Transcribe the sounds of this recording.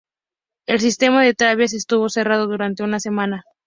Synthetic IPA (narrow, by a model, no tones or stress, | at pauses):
e̞ls̬ist̪e̞maðet̪ɾaβjas̬e̞st̪uβo̞se̞rað̞o̞ðuɾant̪e̞unase̞mãna